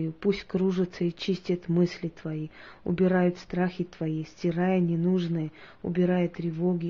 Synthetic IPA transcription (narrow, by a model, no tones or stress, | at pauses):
jupusʲtʲkɾuʐɨt̪səit͡ɕisʲtʲɪt̪mɨsʲlʲɪt̪vɐiʊ̰bʲɪɾajʊt̪st̪ɾaxʲɪt̪vɐisʲtʲɪɾajənʲɪnuʐnɨjəʊ̰bʲɪɾajət̪ːɾʲɪvoɡʲɪ